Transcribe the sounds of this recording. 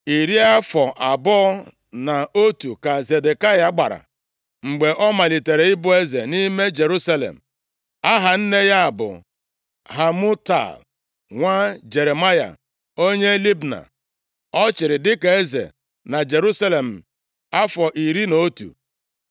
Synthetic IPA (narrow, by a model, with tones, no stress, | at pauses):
i˨ɾi˦a˦fɔ˨ʔa˨bɔ˦ | na˨o˦tu˨ka˨ze˨de˨ka˦ja˨˦ɡ͡ba̰˨ɾa̰˨ | ŋ͡m̩˨ɡ͡be˨ʔɔ˦ma˨li˨te˨ɾe˨ɪ˦bʊ˦e˦ze˨ni˦me˦d͡ʒe˨ɾu˦sa˦lḛ˨m̩˨ | a˦ɦa˨n̩˦ne˦ja˦a˨bʊ̰˨ | ɦa˨mʊ˦ta̰˨l | ŋʷa˦d͡ʒe˨ɾe˨ma˦ja̰˨ | o˦ɲe˦li˦bna̰˨ | ɔ˦t͡ʃɪ˨ɾɪ˨dɪ˦ke˨e˦zḛ˨ | na˨d͡ʒe˨ɾu˦sa˦le˨m̩˨ | a˦fɔ˨ʔi˨ɾi˦no˦tṵ˨